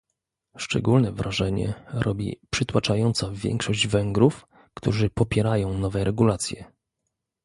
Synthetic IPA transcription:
ʂt͡ʂɛ̰ɡulnɛvɾaʐɛɲɛ̰ɾʔɔbʲḭpʂɘt̪wat͡ʂajɔnt̪savʲjɛ̰ŋkʂɔʑd͡ʑvɛŋɡɾuf | kt̪uʐɘpɔpʲjɛɾajɔ̃w̃nɔvɛɾɛɡulat̪sʲjɛ

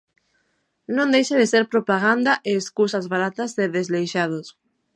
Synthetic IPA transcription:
nõnd̪ejʃaðeseɾpɾopaɣand̪aʔeːskusazβaɾat̪azðeðezlejʃað̞os

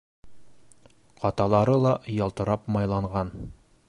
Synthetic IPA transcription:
qɒt̪ɑlˠɑɾɤlˠɑjɑlˠt̪ɤ̆ɾɑpmɑjlˠɑɴʁɑn

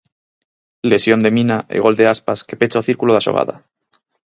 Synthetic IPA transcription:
le̞sjo̞nd̪emĩnaʔḛɣ̞o̞ld̪e̞aspaske̞pet͡ʃaoθiɾkuloðasoɣ̞a̰ða̰

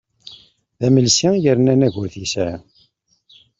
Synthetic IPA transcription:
ðæməlsajəɾnænæʝʊɾθisæ

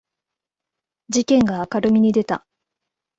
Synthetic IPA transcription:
d͡ʑikẽ̞ŋɡaːkaɾɯ̟mʲiɲ̟id̪e̞t̪a̰

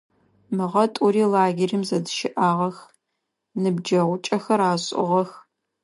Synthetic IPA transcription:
mɨʁɐtʼʊriːlaːɡʲerimzɐdɨʃɪʔaːʁɐx | nɨbd͡ʒɐʁʷʊt͡ʃʼɐxɐɾaːɕʼʊ̰ʁɐx

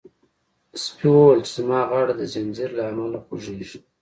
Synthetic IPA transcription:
spiwəwalt͡ʃɪzmɑɣɑɽad̪əzanziɾlaːmalaxoʒeʒi

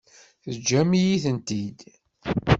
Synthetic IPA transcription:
θəd͡ʒːæmijiθənt̪id̪

